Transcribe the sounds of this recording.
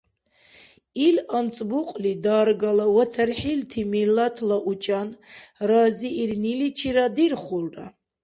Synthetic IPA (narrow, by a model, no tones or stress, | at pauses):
ilant͡sʼbuqʼlid̪aːɾɡalawat͡sʰaɾħilt̪ʰimilat̪ʰlaʔut͡ʃʼanɾaziːɾnilit͡ʃʰiɾad̪iɾχulra̰